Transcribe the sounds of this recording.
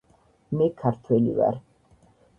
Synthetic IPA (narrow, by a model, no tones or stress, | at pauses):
mɛkʰaɾt̪ʰwɛlḭva̰ɾ